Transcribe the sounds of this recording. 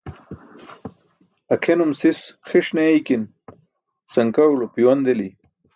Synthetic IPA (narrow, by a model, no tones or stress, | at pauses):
ɐkʰenumsisxiʂneikin | sɐŋkɐulopiwɐnd̪eli